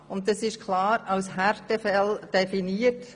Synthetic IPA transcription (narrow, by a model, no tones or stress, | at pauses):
ʊnttːɑsɪʃkʰlɑːɾɑwshæɾtəfɛld̥ɛfiniət